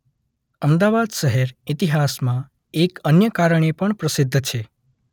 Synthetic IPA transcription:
əmd̪aʋad̪ʃəɦeɾit̪iɦasmã | ekənjəkaɾəɳ̃epəɳpɾəsɪd̪ʱːt͡ʃʰe

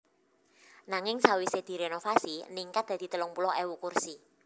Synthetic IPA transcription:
naŋɪŋsawised̪̥i̤ɾenofasiniŋkat̪̚d̪̥a̤d̪̥i̤t̪əlʊŋpulɔʔewukursi

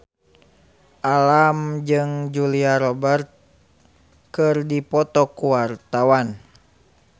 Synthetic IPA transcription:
ʔalamd͡ʒɨŋd͡ʒuliaɾɔbərt̪̚ | kɨrdipɔt̪ɔkuwart̪awan

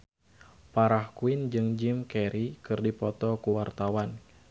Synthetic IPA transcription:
paɾahkuɪnd͡ʒɨŋd͡ʒimkɛɾikɨrdipɔt̪ɔkuwart̪awan

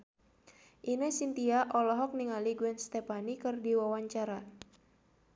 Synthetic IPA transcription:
ʔinəsint̪iaʔɔlɔɦɔk̚niŋaliɡuɛnst̪ɛpanikɨrdiwawaɲt͡ʃaɾa

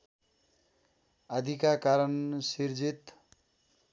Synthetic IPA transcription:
ʌd̪ʱikakaɾʌnsiɾd͡zit̪

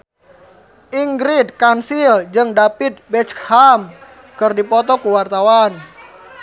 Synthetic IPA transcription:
ʔiŋɡɾid̪̚kansild͡ʒɨŋdapit̪̚bɛt͡ʃham | kɨrdipɔt̪ɔkuwart̪awan

